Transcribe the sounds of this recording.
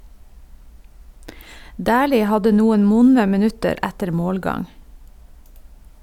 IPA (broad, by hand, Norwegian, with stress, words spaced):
ˈdæːliː ˈhɑdə ˈnuːən ˈʋʊnə mɛˈnʉtəɾ ˈætəɾ ˈmoːlˌɡɑŋ